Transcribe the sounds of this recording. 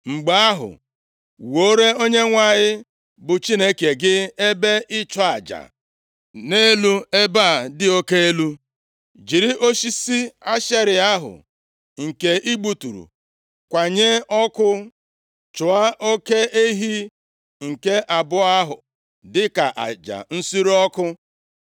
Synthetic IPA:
ŋ͡m̩˨ɡ͡ba˦a˦ɦʊ̰˨ | wo˦ɾe˦o˦ɲe˦ŋʷa˨ɲɪ˦ | bʊ˨t͡ʃi˦ne˦ke˨ɡɪ˦e˦be˦ʔɪ˦t͡ʃɔ˦a˨d͡ʒa̰˨ | ne˦lu˦e˦ba˦˨dɪ˦o˦ke˦e˦lu˦ | d͡ʒi˨ɾi˦ʔo˦ʃi˦si˦a˦ʃe˦ɾɪ˨a˦ɦʊ̰˨ | ŋ̩˨ke˨ʔi˦ɡ͡bu˦tṵ˨ɾṵ˨ | kʷa˨ɲe˦ɔ˦kʊ˦ | t͡ʃʊ˨a˦ʔo˦ke˦ʔe˦ɦi˦ | ŋ̩˨ke˦ʔa˨bʊ˦a˦ɦʊ̰˨ | dɪ˦ka˨ʔa̰˨d͡ʒa̰˨n̩˦si˦ɾɔ˦kʊ˦

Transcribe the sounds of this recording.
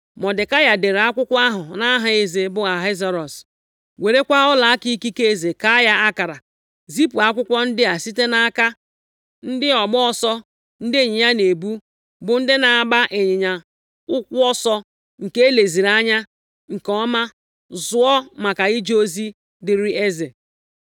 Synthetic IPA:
mɔ˨dɪ˨ka˦ja˨de˨ɾa˦kʷʊ˦kʷa˦ɦʊ˨na˦ɦa˨e˨ze˨bʊ˦ɣa˨ɦa˦za˨ɾɔ˨s | we˨ɾe˦kʷa˦ʊ˦la˨˦ki˦ki˦ke˦e˨ze˨ka˦ja˦a˦ka˨ɾa˨ | zi˦pu˨a˦kʷʊ˦kʷɔ˦n̩˦dɪ˦a˨si˦te˦na˦a˦ka˦ | n̩˦dɪ˦ɔ˨ɡ͡bɔ˦ɔ˦sɔ˦ | n̩˦dɪ˦e˨ɲɪ˨ɲa˦ne˨bu˦ | bʊ˨n̩˦dɪ˦na˨a˨ba˦ʔe˨ɲɪ˨ɲa˨ | ʊ˦kʷʊ˦ɔ˦sɔ˦ | ŋ̩˨ke˦le˨zi˨ɾa˦ɲa˦ | ŋ̩˨kɔ˦ma˦ | zʊ˦ɔ˦ma˨ka˨ɣi˦d͡ʒo˦zi˦ | dɪ˨ɾi˦e˦ze˨

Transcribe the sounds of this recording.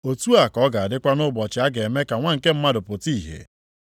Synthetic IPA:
o˨tu˦a˨kɔ˨˦ɡa˨a˨dɪ˦kʷa˦nʊ˦bɔ˨t͡ʃɪ˨˦a˦ɡe˨me˦ka˨ŋʷa˦ŋ̩˨ke˦m̩˦ma˦dʊ˨pʊ˨ti˦˨ɦḛ˨

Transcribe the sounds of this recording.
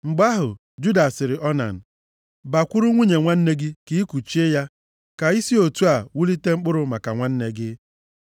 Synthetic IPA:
ŋ͡m̩˨ɡ͡ba˦ɦʊ˨ | d͡ʒu˦da˨sɪ˨ɾɪ˨ʔɔ˦na̰˨n̩˨ | ba˨kʷu˦ɾu˦ŋʷu˦ɲe˨ŋʷa˦n̩˦ne˦ɡɪ˦ki˦i˦kʷu˨t͡ʃi˦e˦ja˦ | ka˨i˦si˦o˨tu˦a˨wu˦li˦te˦ŋ͡m̩˦k͡pʊ˦ɾʊ˦ma˨ka˨ŋʷa˦n̩˦ne˦ɡɪ˦

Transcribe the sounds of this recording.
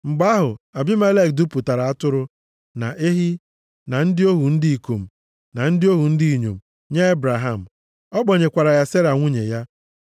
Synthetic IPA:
ŋ͡m̩˨ɡ͡ba˦ɦʊ˨a˨bɪ˦ma˦le˦˨k̚du˦pu˨ta˨ɾa˨a˦tʊ˦ɾʊ˦ | na˨ʔe˦ɦi˦ | na˨n̩˦dɪ˦o˦ɦu˨n̩˦dɪ˦i˨ko˨m̩˨ | na˨n̩˦dɪ˦o˦ɦu˨n̩˦di˦i˨ɲo̰˨m̩˨ | ɲe˦e˦bɾa˨ɦa˦˨m̩˨ | ɔ˦ɡ͡bɔ˨ɲe˨kʷa˨ɾa˨ja˦se˦ɾa˨ŋʷu˦ɲḛ˨ja˦

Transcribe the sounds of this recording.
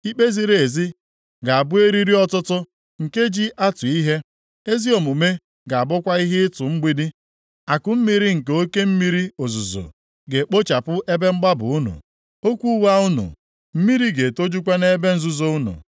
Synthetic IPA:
i˦k͡pe˦zi˦ɾe˨e˨zi˦ | ɡa˨a˨bʊ˦e˦ɾi˦ɾi˦ɔ˦tʊ˦tʊ˦ | ŋ̩˨ke˦d͡ʒi˦ʔa˦tʊ˨i˦ɦe˦ | e˦zi˦o˨mu˨me˦ | ɡa˨a˨bʊ˦kʷa˦i˦ɦɪ˦ɪ˦tʊ˨ŋ͡m̩˦ɡ͡bi˦di˦ | a˨kʊ˨˦m̩˦mi˦ɾi˦ŋ̩˨ke˨o˦ke˦m̩˦mi˦ɾi˦o˨zu˨zo̰˨ | ɡe˨k͡po˦t͡ʃa˨pʊ˦ʔe˦be˦ŋ͡m̩˦ɡ͡ba˦bʊ̰˨ʊ˦nṵ˨ | o˦kʷu˦wa˦ʊ˦nṵ˨ | m̩˦mi˦ɾi˦ɡe˨to˦d͡ʒu˦kʷa˦ne˦be˦n̩˦zu˨zo˦ʊ˦nʊ̰˨

